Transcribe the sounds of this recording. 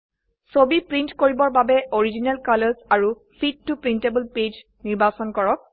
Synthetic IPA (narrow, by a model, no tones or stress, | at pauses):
sobipɹintkoɹibɔɹbabɛʔoɹid͡ʒinalkalɔzaɹu | pʰid̚tːupɹintebəlped͡ʒ | niɹbasɔnkɔɹɔk̚